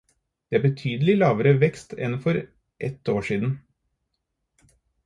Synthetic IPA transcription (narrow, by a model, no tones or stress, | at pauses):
d̪̥eːæːɾbət̪ʰyːd̪əlɪlɑːʋəɾəʋɛkst̪ɛnfɔɾ | ʔɛt̪oːʂiːd̪n̩